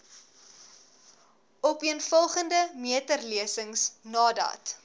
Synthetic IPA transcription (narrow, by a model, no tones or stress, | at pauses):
ɔpiənfɔlˠχəndəmiətərliəsəŋsnɑːdɐ̰t